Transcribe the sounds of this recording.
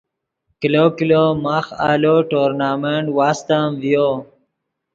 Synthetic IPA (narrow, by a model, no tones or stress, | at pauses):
kilokilomaːxa̰ːloʈoːɾnaːmeɳʈwaːst̪əmvijo